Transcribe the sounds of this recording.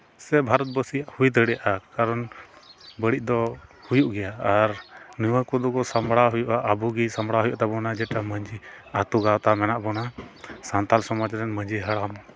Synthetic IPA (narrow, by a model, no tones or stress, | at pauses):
sɛbʱaɾɔt̪̚bəsijaʔhujt̪əɽɛjaʔakaɾɔn | bəɽiʔ̚ˀd̪ɔhujuʔɡɛjaːɾniwəkud̪ɔkɔsamɽaɦujuʔaʔəbuɡisamɽaɦujuʔat̪ɛbɔnad͡ʒɛʈaməɲd͡ʒiat̪uɡawt̪amɛnaʔbɔnasant̪alsɔmɔd͡ʒɾɛnməɲd͡ʒiɦəɽamɔ